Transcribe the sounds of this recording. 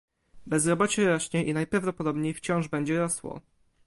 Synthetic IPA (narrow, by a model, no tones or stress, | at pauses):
bɛzɾɔbɔt͡ɕɛɾɔɕɲɛʔinajpɾavd̪ɔpɔd̪ɔbɲejft͡ɕɔ̃w̃ʐbɛɲd͡ʑɛɾɔswɔ̰